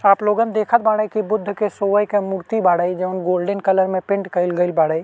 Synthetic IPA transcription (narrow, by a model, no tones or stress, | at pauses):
aːploːɡənd̪eːkʰət̪̚baːɽəikibʊd̪ʱːkesoːʋəjkemuɾt̪ibaːɽəid͡ʒɐʊnɡoːlɖənkɐləɾmẽpɪ̃ɳʈkɐɪlɡəɪlbaːɽəi